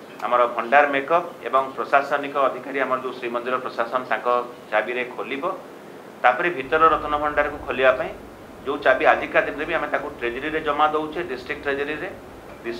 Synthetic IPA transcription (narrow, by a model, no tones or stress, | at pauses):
a̰mɔɾɔbʱɔɳɖaɾmekɔpḛbɔŋpɾɔsasɔnikɔːd̪ʱikaɾiamɔɾɔd͡ʒeũsɾimɔnd̪iɾɔpɾɔsasɔnɔt̪ãkɔ | t͡ʃabiɾekʰolibɔ | t̪apɔɾibʱit̪ɔɾɔɾɔt̪ʰɔnɔbʱɔɳɖaɾɔkukʰolibapaĩ | d͡ʒeũt͡ʃabiad͡ʒʱikad̪ʱinɾebiamet̪akuʈɾed͡ʒɔɾiɾed͡ʒɔmad̪owt͡ʃʰeɖisʈɾik̚ʈːɾed͡ʒɔɾiɾe | ɖi